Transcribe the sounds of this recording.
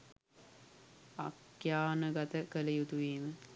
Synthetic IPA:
a̰kjaːnəɡat̪əkələjut̪uʋeːmə

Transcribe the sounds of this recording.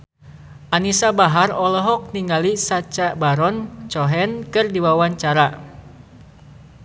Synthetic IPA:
ʔanisabaɦarɔlɔɦɔk̚niŋɡalisat͡ʃaʔbaɾɔnt͡ʃɔɦɛnkɨrdiwawaɲt͡ʃaɾa

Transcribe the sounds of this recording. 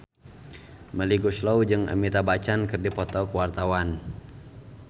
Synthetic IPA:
məliɡuslɔwd͡ʒɨŋa̰mit̪abat͡ʃankɨrdipɔt̪ɔkəwart̪awan

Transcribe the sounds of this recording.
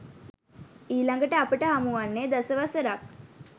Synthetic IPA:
iːlaŋɡəʈəapəʈəɦamuʋanːeːd̪asəʋasəɾak̚

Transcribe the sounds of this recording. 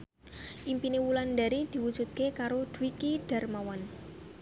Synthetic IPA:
ʔimpinewulanɖaɾid̪̥i̤wud̥ʒ̥ṳt̪̚kekaɾod̪̥uwikiɖ̥a̤rmawan

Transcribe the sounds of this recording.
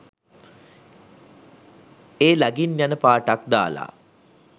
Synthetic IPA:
eːlaɡinjanəpaːʈakd̪a̰ːla̰

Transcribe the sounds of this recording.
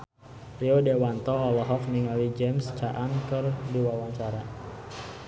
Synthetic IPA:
riodewant̪ɔːlɔɦɔfniŋawid͡ʒɛmst͡ʃaʔaŋkɨrdiwawaŋt͡ʃaɾa

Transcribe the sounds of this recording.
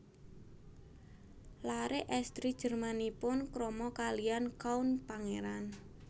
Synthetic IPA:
laɾeʔɛst̪ɾid̥ʒ̥ə̤rmanipʊnkɾɔmɔkaliankaunpaŋeɾan

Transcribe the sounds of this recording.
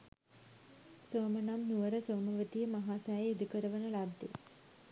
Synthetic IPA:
soːmənamnuʋəɾəsoːməʋət̪ijəmaɦaːsæjjid̪ukəɾəʋənəlad̪ːḛ

